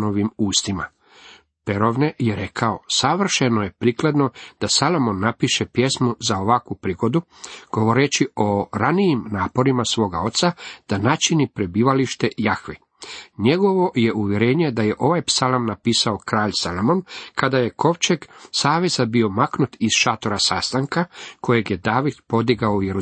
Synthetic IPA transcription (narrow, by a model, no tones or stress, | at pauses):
noʋimuːst̪ima̰ | pe̞ɾo̞ʋnejeɾe̞kʰao̞saʋr̩ʃenoje̞pɾiːkled̪no̞d̪̥asalˠo̞mo̞nːapiʃepje̞smuzao̞ʋakʋupɾiɡo̞d̪u | ɡ̥o̞ʋo̞ɾet͡ʃio̞ɾanijimnaːpo̞ɾimasʋo̞ːɡao̞t̪sad̪̥anat͡ʃinipɾe̞biːʋaliʃt̪e̞jaxʋi | ɲe̞ɡo̞ʋo̞je̞ʔuʋje̞ɾeːɲe̞d̪aje̞ʔo̞ʋajpsalamnapiːsao̞kɾaːʎsalomo̞nkʰad̪aje̞kʰo̞ʋt͡ʃeksaːʋezabio̞maknut̪iz̥ʃat̪o̞ɾasaːst̪aŋkakʰo̞jeɡje̞d̪aːʋid̪po̞d̪iɡaoujeɾu